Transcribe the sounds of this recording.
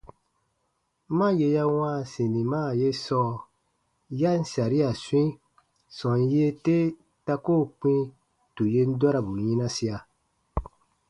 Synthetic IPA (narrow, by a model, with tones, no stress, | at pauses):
mã˦je˧ja˦w̃ãː˦˨sĩ˨nĩ˨maː˦˨je˦sɔː˦ | ja˦n̩˦˨sa˨ɾi˦a˨su˦ĩ˦ | sɔ̃˨n˦je˦te˦ | ta˧ko˦˨k͡pĩ˦ | tu˨je˦n̩˦dwa˦ɾa˨bu˨ɲĩ˦nã˦si˦a˨